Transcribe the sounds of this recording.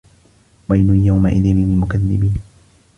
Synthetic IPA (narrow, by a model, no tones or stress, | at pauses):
wajnʊjawmaʔɪðɪnɪmɪlmʊkaðːɪbiːn